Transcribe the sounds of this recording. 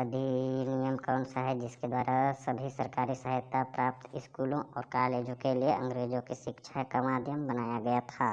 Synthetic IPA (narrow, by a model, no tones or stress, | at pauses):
əd̪ʱinijəmkaːʊɳsaɦɛd͡ʒɪsked̪waːɾasəbʱisəɾkaːɾisəɦɪt̪ːapɾaːp̚t̪ɪskuːlõʔɔːɾkaːleːd͡ʒõkelieɐ̃ŋɡɾeːd͡ʒõkiʃɪkʃʰakamaːd̪ʱjəmbɐnaːjaɡɐjat̪ʰaː